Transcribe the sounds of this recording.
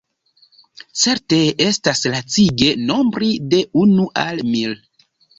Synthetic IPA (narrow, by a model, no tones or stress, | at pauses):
t͡se̞ɾte̞estaslat͡siɡe̞no̞mbɾide̞unuʔalmil